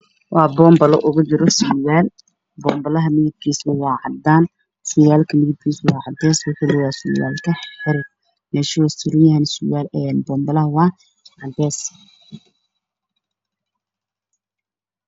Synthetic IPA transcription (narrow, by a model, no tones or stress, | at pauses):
wɑːbɔːmbɐlɔ̰ʔʊɣʊt͡ʃɪɾɔsʊjaːl | bɔːmbɐlɐɦɐmɪðɪb̚kʰiːsʊwɑːʕɑ̰d̪aːn | sʊjaːlkʰɐmɪðɪb̚kʰiːsʊwɑːʕɑd̪ɛːswʊħɪlɪwɑːsʊja̰ːlkʰɐħɪɾɪd̪̚ | mɛːʃwɔsɪɾɪjɐɐnsʊjaːlɛːnbɔːmbɐlɐɦɐwɑː | ʕɑd̪ɛːs